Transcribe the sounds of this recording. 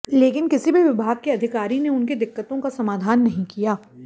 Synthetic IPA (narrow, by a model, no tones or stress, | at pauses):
leːkɪnkɪsibʱiʋɪbʱaːɡ̚keɐd̪ʱɪkaːɾineʊnked̪ɪkːət̪õkasɐmaːd̪ʱaːnːɐɦĩkijaː